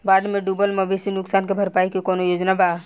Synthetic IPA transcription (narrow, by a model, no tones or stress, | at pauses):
baːɾɖmẽɖubəlməbesinʊksankebʱəɾpaːikekɔːnojoːd͡ʒnaba